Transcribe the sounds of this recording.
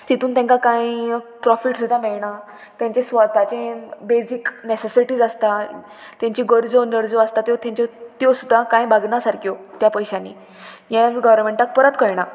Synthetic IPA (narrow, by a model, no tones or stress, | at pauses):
t̪it̪uːnt̪jãŋkakãjipɾɔfiʈsud̪ʱːamɛɭɳa | t̪jãɲt͡ɕesʋat̪at͡ɕẽbed͡ziknesesiʈiːd͡zast̪a | t̪jãɲt͡ɕiɡəɾd͡zonəɾd͡zɔast̪at̪jot̪jãɲt͡ɕɔt̪josud̪ʱːakãjbʱaɡnasaɾkjot̪japəjɕanːḭ | jãɡəʋənmẽɳʈak̚pəɾat̪kəjɳa